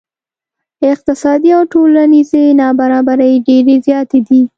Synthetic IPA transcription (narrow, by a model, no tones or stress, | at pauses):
ɪq̚t̪ɪsɑd̪iawʈolanizenɑbaɾɑbaɾəjɖeɾezjɑt̪ed̪i